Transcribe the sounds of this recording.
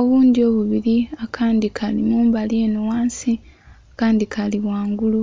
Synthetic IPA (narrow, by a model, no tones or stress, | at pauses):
o̞βuːndio̞ːβuβiɾiakʰaːndikʰalimuːmbalje̞ːnuwaːnsi | akaːndikʰaliwaːŋɡulu